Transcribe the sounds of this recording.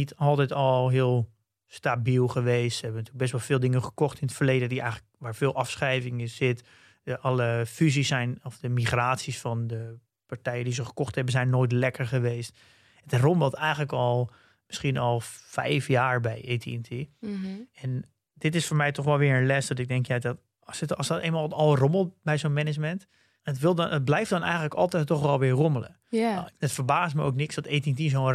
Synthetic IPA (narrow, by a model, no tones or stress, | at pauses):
nitʰɔlˠtɛjtɔlˠɦɪəlˠ | stabilˠχəʋeːstsəɦɛbəntyːlək̚bɛstʋɔlˠfɪːlˠdɪŋəχə̥kɔxtɪnətfərleːdədiɛ̰jxələk̚ʋaːɹfɪːlˠʔɑfsχɛjvɪŋəsɪt | ʔɑləfyzisːɛjnɔfdəmiχraːtsisfɔndə | paɹtɛjəndizəχə̥kɔxthɛbənzɛjnːoːjtlɛkəɹχəʋeːst | ətərɔmbɔlˠtɛjɣələkɔlˠ | məsxiənɔlˠfɛ̰jfjaːɹbɛjʔeːtḭntʰi | ɛn | d̥ɪtɪsfoːɹmɛjtɔxʋɛlˠʋɪːəənlɛsdɔtɪɡ̚dɛŋkjadɔt | sətɔsɔtḛːnmalˠɔlˠroməlˠt̚bɛjzoːnmɛnɪd͡ʒmɛnt | ətʋɪlˠət̚blɛjftdɔnɛ̰jətləkɔlˠtɛjtːɔxʋɛlˠʋɪəɡomələ̰ | ətfərbaːstməo̰ːknɪksdɔteːtintizoːn